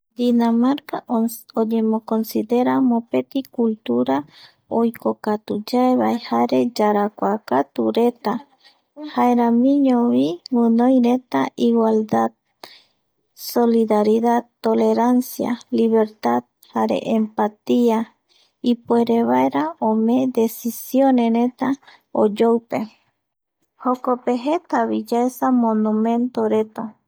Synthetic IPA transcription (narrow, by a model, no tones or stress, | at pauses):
d̪inamaɾkaoɲemokonsiðeɾamopet̪ikult̪uɾa | ojkokat̪ud͡ʒaeβaehaɾe̞d͡ʒaɾakʷakat̪uɾet̪a | haeɾamĩɲoβiwunojɾet̪aʔiwald̪ad̪ | so̞liðaɾiðad̪t̪ole̞ɾansja̰liβe̞ɾt̪ad̪ | haɾḛʔempat̪ia | ipweɾeβaeɾaõmẽd̪e̞sisjoneɾe̞t̪a | od͡ʒowpe̞ | hokope̞ɦe̞t̪aβid͡ʒaesamõnũmẽ̞nt̪oɾe̞t̪a